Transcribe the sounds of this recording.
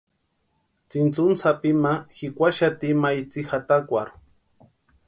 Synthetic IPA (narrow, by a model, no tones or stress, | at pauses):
t͡sint͡sʊnsapimaxikʷaʃat̪imajt͡sixat̪akʷaɾ